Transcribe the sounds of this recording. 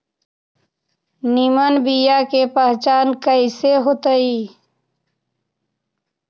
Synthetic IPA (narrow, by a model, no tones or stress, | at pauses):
nimənbijakepəɦt͡ʃaːnkəiseɦot̪əiː